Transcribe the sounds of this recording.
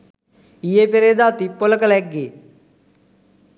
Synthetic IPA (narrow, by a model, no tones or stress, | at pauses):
ijepeɾeːd̪aːt̪ipoləkəlɛɡi